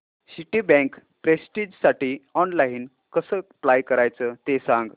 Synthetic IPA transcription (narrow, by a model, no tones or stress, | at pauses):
siʈibɛ̃k | pɾesʈid͡ʑsaʈiːɔnlaɦin | kəsəplajkəɾajt͡sət̪esãŋɡ